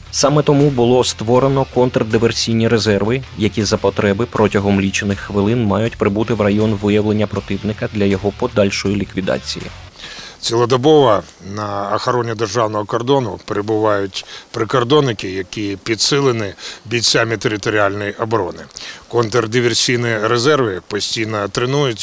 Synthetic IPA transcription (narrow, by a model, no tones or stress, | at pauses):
sɑmɛt̪ɔmubʊlˠɔst̪ʋɔɾenɔkɔnt̪rd̪ɪʋersʲijnʲiɾezɛrʋɪjɐkʲizɐpɔt̪ɾɛbɪpɾʔɔtʲɐɦɔmlʲit͡ʃenɪxːʋɪlˠɪnmɑjʊtʲpɾɪbut̪ɪwrɐjɔnʋɪjɐwlˠe̞nʲːɐpɾɔt̪ɪwnɪkɐd̪lʲɐjɔɦɔpɔd̪ɑlʲʃɔjilʲikʋʲid̪ɑ̰t͡sʲḭjḭt͡sʲilˠɔd̪ɔbɔʋɐ | nɐːxɐɾɔnʲid̪erʒɑwnɔɦɔkɔrd̪ɔnʊpeɾebʊʋɑjʊtʲpɾɪkɔrd̪ɔnːɪkɪjɐkʲipʲid̪sɪlˠɪnɪbʲit͡sʲamʲit̪eɾɪt̪ɔɾʲialʲnɔjiʔɔbɾɔnɪkɔnt̪erd̪ɪʋʲersʲijniɾezɛrʋɪpɔsʲtʲijnɔt̪ɾɪnujʊtʲ